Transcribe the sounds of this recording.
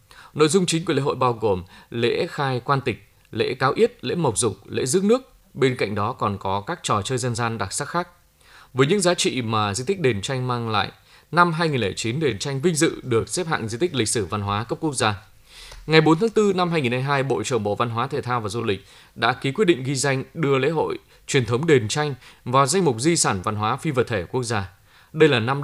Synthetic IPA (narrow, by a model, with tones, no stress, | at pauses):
no̰˧˨jzʊ˧ŋ͡mt͡ɕi˨˦ŋklḛ˧˥˦ɦo̰˧˨jɓaː˧wɣo˨˩mlḛ˧˥xaː˧jkwaː˧nt̪ï˨˩k̟̚ | lḛ˧˥kaː˨˦wʔi˦˥ət̚lḛ˧˥mə˨˩wk͡p̚zʊ˨˩k͡p̚lḛ˧˥zɨ̰˦˥ək̚nɨ˦˥ək̚ | ɓe˧nka̰˧˨jŋ̟ɗɔ˨˦kɔ˨˩nkɔ˨˦kaː˦˥k̚t͡ɕɔ˨˩t͡ɕəː˧jzə˧nzaː˧nɗa˨˩k̚saː˦˥k̚xaː˦˥k̚ | vəː˨˦jɲɨ̰˧˥ŋzaː˨˦t͡ɕḭ˧˨maː˨˩zi˧t̪i˦˥k̟̚ɗe˨˩nt͡ɕa˧jŋ̟maː˧ŋla̰ː˧˨jʔ | na˧mɦaː˧jŋi˨˩nle˧˩t͡ɕi˨˦nɗe˨˩nt͡ɕa˧jŋ̟vï˧ŋ̟zɨ̰˧˨ɗɨ˨˩ək̚sɛ˦˥p̚ha̰ː˧˨ŋzi˧t̪ï˦˥k̚lï˨k̟̚sɨ˧˩va˧nɦwaː˨˦kə˦˥p̚ku˦˥ək̚zaː˧ | ŋa˨˩jɓo˨˦nt̪ʰaː˨˦ŋt̪ɨ˧na˧mhɦaː˧jŋi˨˩nhaː˧jɦaː˧jɓo̰˧˨t͡ɕə˧˩ŋŋ͡mɓo̰˧˨va˧nɦwaː˨˦t̪ʰe˨˩t̪ʰaː˧wvaː˨˩zu˧lï˨˩k̟̚ | ɗa̰ː˧˥ki˨˦kwi˦˥ɗḭ˧˨ŋ̟ɣi˧za˧jŋ̟ɗɨ˧əlḛ˧˥ɦo̰˧˨j | t͡ɕwi˨˩ənt̪ʰə˨˦wŋ͡mɗe˨˩nt͡ɕa˧jŋ̟vaː˨˩wza˧jŋ̟mʊ˨˩k͡p̚zi˧saː˧˩nva˧nɦwaː˨˦fi˧və˨˩t̪ʰe˧˩ku˦˥ək̚zaː˧ | ɗə˧jlaː˨˩na˧m